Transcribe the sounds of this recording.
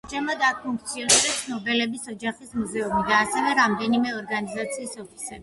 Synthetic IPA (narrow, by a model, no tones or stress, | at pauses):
t͡ʃʰɛmad̪apʰuŋk̚ʰt̪sʰiɔnɛd̪ɛt̪ʰnɔbɛlɛbisɔd͡ʒaχismuzɛumid̪aːsɛvɛɾamd̪ɛnimɛɔɾɡanizat̪sʰiːsɔpʰi̥sɛbi